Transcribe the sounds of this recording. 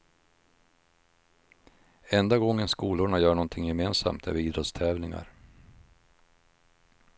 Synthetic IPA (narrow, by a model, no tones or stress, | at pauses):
ɛnd̪aɡɔŋːənskuːlʊɳajœːɳɔnt̪ʰɪŋjɛmeːnsa̰mt̪ʰɛ̰viːd̪ɾɔt̪st̪ʰɛːvnɪŋa̰ɾ